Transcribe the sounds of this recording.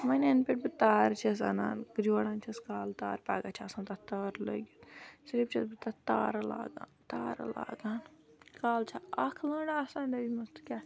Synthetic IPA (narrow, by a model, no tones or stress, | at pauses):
mɐnenpʲeʈ̚bɨt̪aːɾt͡ʃʰɐs̬ɐ̰na̰ːnkd͡ʒoːɽaːnt͡ʃʰɐskaːlt̪aːɾpa̰ːɡat͡ʃʰaːsaːnt̪ɐt̪aːɾlə̰ɡut̪sɾib̚t͡ʃʰɐsbɨt̪at̪aːɾla̰ːɡa̰ːnt̪aːɾ̰la̰ːɡaːnkaːlt͡ʃʰaɐkʰlɐːɳaasãːnd̪ɐimɐst̪u̥kʲa